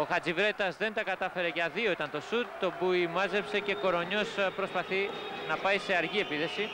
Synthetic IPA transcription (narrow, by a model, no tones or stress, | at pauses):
oxɐt͡sivɾe̞t̪ɐzðe̞nt̪ɐkɐt̪ɐfe̞ɾe̞ʝɐðio̞it̪ɐnt̪o̞sut̪t̪obuimɐze̞pse̞ce̞ko̞ɾo̞ɲo̞spɾo̞spɐθinɐpɐjse̞ɐɾʝie̞piθe̞si